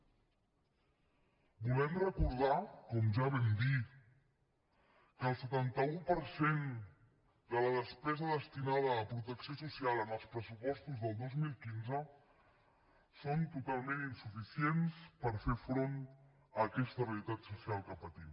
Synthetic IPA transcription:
bulɛmrəkuɾðakɔmʒaβ̞ɛmd̪i | kəːlˠsət̪ant̪əupəɾsen | d̪ələðəspɛzəðəst̪inað̞əːpɾut̪əksiosusialˠənəlˠspɾəsupɔst̪uzðəlˠd̪ozmilˠkinzə | sont̪ut̪alˠmeninsufisienspəɾfeɾfɾon | əːkɛst̪əβəlit̪at̪susialˠkəpət̪im

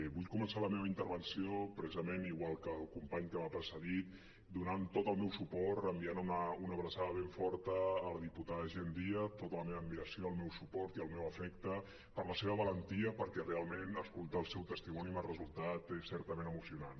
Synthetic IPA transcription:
βuʎkumənsaləmeβəint̪əɾβənsiopɾəsizəmeniɣwalˠkəlˠkumpaɲkəβapəɾsəɣit̪̚ | d̪unant̪ot̪əlˠmɛwsupɔt̪əmbianunəunəβɾəsaðəβ̞eɱfɔɾt̪əːlðiput̪aðəʒend̪iət̪ot̪ələmeβəmbiəsioəlˠmɛwsupɔɾt̪iəlˠmɛwəfɛkt̪ə | pəɾləseβ̞əβələnt̪iəpəɾkɛrealˠmenəskulˠt̪əːlˠsɛwt̪əst̪imɔnimarəzulˠt̪at̪esɛɾt̪əmẽnəmusiunan

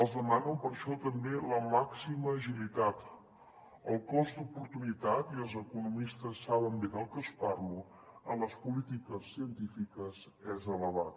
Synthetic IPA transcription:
əlˠzðəmanəmpəɾʃɔt̪əmbeləmaksiməːʒilit̪at̪ | əlˠkɔzd̪upuɾt̪unit̪at̪iəlˠzəkunumist̪əsːaβ̞əmbeðəlˠkəspaɾlu | ənləspulit̪ikəsːiənt̪ifikəz | ɛzələβ̞at̪

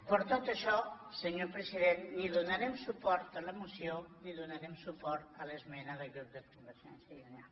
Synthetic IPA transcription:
pəɾt̪ot̪əʃɔsəɲoɾpɾəsiðenniðunaɾɛmsupɔɾt̪ələmusjoniðunaɾɛmsupɔɾt̪ələzmɛnəðəɣɾup̚d̪əkumbəɾʒɛ̰nsjəuna

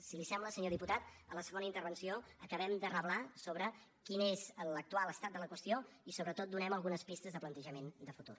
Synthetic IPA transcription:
silisɛmbləsəɲoðiput̪at̪ələsəɣonəint̪əɾβənsioəkəβɛmd̪ərəβlasoβɾə | kinezələk̚t̪ualˠəst̪at̪̚d̪ələkwəst̪ioisoβɾət̪ot̪̚d̪unɛməlˠɣunəspist̪əzðəplənt̪əʒəmend̪əfut̪ṵr

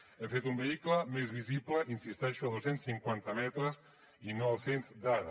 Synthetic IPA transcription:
efet̪umbeiklamezβisiplaʔinsist̪aʃoaðosensθiŋkwant̪ɐmɛt̪ɾas | inɔβsensd̪aðɐ

